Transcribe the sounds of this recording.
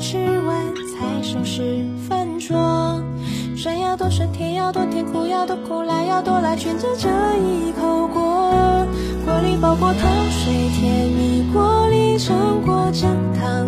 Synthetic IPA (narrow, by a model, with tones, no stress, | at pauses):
ʈ͡ʂʰɻ̩˥˧wa˧˥nt͡sʰa˧˥ɪʂɤ˧˩ʂɻ̩˧˥ | fə˥˧nʈ͡ʂwɔ˥ | ʂə˧˥njɑ˥˧ʊt̪wɔ˥˩ʂə˧˥nt̪ʰjɛ˧˥njɑ˥˧ʊt̪wɔ˥˧t̪ʰɛ˧˥ŋkʰu˨˩jɑ˥˩ʊt̪ɔ˧˥kʰo˧˥ʊla˧˥ɪjɑ˥˧ʊt̪wɔ˥˧la˧˥ɪt͡ɕɥɛ˧˥˩nt͡sə˥ʈ͡ʂə˧˥i˧˩˧kʰo˧˥ʊkwɔ˧˥ | kwɔ˧˥li˥˩pɑ˨˩ʊkwɔ˥˩t̪ʰɑ˧˥ŋʂe˧˥ɪt̪ʰjɛ˧˥nmi˨˩kwɔ˧˥li˥˧˩ʈ͡ʂʰɤ˧˥ŋkwɔ˧˥ʈ͡ʂə˥˩ŋt̪ʰɑ˧˩ŋ